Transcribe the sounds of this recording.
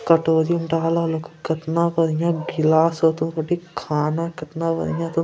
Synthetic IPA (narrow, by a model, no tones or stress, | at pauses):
kɐʈoːd̪iuɳʈaːlalɐku̥kɐt̪naːpɐɾiɲaɡilaːsoːt̪unkɐʈikʰaːnakɐt̪naːʋɐ̰ɾḭɲaːt̪u